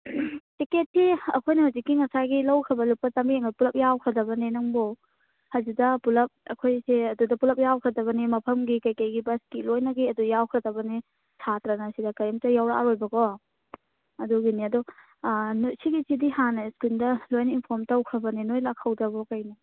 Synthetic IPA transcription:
tiket̚ːiɐ̰kʰojnɐhawzikːiŋɐsajɡilɐwkʰɐbɐlupːɐtambieŋɐpulɐp̚jawkʰɾɐdɐbɐnenɐŋbo | hɐzidɐpulɐp̚ɐ̰kʰojseɐdudɐpulɐp̚jawkʰɾɐdɐβɐnimɐpʰɐmɡikɐjkɐjɡibɐskilojnɐɡiɐdujawkʰɾɐdɐbɐni | sʰatɾɐnɐsidɐkɐjɐmtɐjawɾa̰ɾojbɐɡɔ | ɐduɡiniɐdu | nusiɡisidihanɐskundɐlojninpʰɔɾmtɐwkʰɾɐbɐninojlakʰːɐwdɐβɔkɐjni

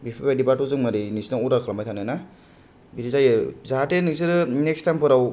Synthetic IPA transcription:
bipʰabadipatuzɯŋmaɾɯjnisnauɾakʰalamajtʰanɯjna | bidizajɯzaatenɯk̚sɯɾɯnekstajmpʰɯɾaw

